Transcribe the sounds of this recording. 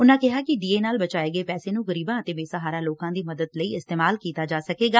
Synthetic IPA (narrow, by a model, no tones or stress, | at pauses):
ʊnãːkɪɦaːkɪɖiːeːnaːlbət͡ʃaːeːɡəeːpɛːseːnũːɣəɾiːbãːət̪eːbeːsəɦaːɾaːloːkãːd̪iːməd̪əd̪ləiːɪst̪eːmaːlkiːt̪aːd͡ʒaːsəkeːɡaː